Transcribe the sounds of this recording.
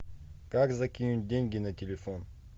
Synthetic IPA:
kakzɐkʲinʲut̚ʲdʲenʲɡʲɪnɐtʲɪlʲɪfon

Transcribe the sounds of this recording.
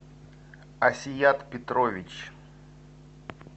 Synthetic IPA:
ɐsʲɪjat̪pʲɪt̪ɾovʲɪt͡ɕ

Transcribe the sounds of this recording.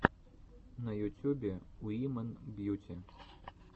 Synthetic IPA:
nɐjut͡sʲubʲɛuimɛnbjut͡sʲɛ

